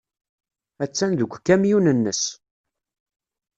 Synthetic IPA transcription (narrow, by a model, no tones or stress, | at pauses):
æt͡sːænðəkʷːkːæmjunənːəs